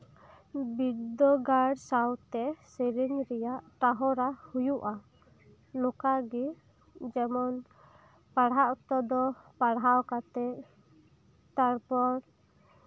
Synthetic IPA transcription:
bid̪ɔɡaɽsawt̪ɛsiɾiɲɾɛjaʔʈaɦɔɾahujuʔa | nɔkaɡi | d͡ʒɛmɔn | paɽɦaʔt̪ɔd̪ɔpaɽɦawkat̪ɛʔ | t̪aɾpɔɾ

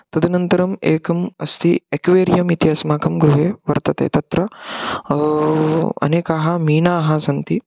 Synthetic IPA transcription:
t̪ɐd̪ʱinɐnt̪ɐɾɐmeːkɐmɐst̪ʰiɐkʋeːɾjɐmit̪jɐsmaːkɐmɡɾuɦeːʋɐɾt̪ɐt̪ḛːt̪ɐt̪ɾɐ | ɐ̰neːkaːɦɐ̆miːnaːɦɐ̆sɐnt̪i

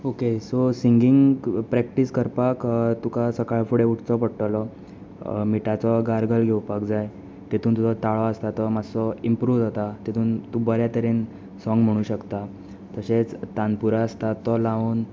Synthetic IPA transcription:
okesosiŋɡiŋɡpɾɛk̚ʈiskəɾpakt̪ukasəkaɭfuɽeuʈʰt͡sɔpəɽʈlɔ | miʈat͡sɔɡaɾɡəlɡʱewpakd͡zaj | t̪et̪ʰuːnt̪ud͡zɔt̪aɭɔəst̪at̪ɔmasɔimpɾuːʋd͡zʱɔt̪at̪et̪ʰuːnt̪ubəɾjat̪əɾen | sɔ̃ŋɡm̤əɽ̃ũːɕəkt̪a | t̪əɕet͡st̪anpuɾaəst̪at̪ɔlãʋuːn

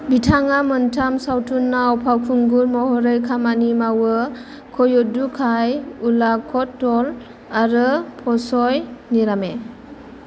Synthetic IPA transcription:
bitʰaŋamɯntʰamsawtʰunːaɔwpʰawkʰuŋɡuɾmɔhɔɾɯjkʰamanimawɯ | kʰɔjɔdukʰajulakʰɔtːɔl | aɾɯpʰɔsɔjniɾame

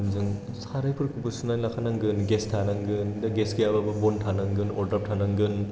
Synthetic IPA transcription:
nzɯŋ | saɾajpʰɯɾkʰɯpɯsunajlakʰanaŋɡɯnɡestʰanaŋɡɯndaɡesɡejababɐbɔntʰanaŋɡɯnɔɾdɾap̚tʰanaŋɡɯn

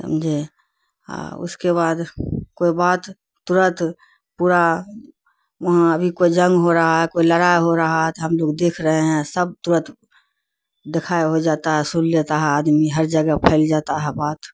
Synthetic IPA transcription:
sə̰md͡ʒḛ | ʊ̰skeβaːd̪koːibaːt̪ | t̪ʊɾə̃t̪ | puːɾa | ʋɐɦãəbʱikoid͡ʒə̃ŋɡɦoɾəɦaɦɛkoiləɾaːjɦoɾəɦaɦɛt̪oɦəmloːɡd̪eːkʰɾəɦeɦɛ̃səb̚t̪ʊɾə̃t̪ | d̪ɪkʰaːeɦod͡ʒaːt̪aɦɛsʊllet̪aɦɛaːd̪miɦəɾd͡ʒəɡəpʰɛɪld͡ʒaːt̪aɦɛbaːt̪

